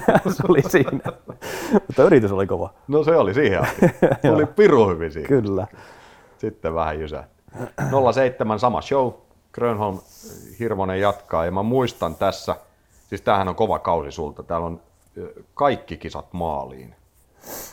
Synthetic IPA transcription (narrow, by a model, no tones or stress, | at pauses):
seolisiːnæ | mut̪ːɑyɾit̪ysolikoʋɑnoseolisiːhḛɑ̰siolipiruhyʋinsḭːkylːæ | sit̪ːeʋʋæhæ̰jysæ̰t̪ːy̥nolːɑseit̪ːemænsɑmɑ̰ʃou | krønholmhirʋonejjɑt̪kɑemmæmuist̪ɑnt̪æsːæ | siːst̪æːhænoŋkoʋɑ̰kɑusisult̪ɑt̪æːlon | kɑikːikisɑ̰t̪mɑ̰ːlḭːn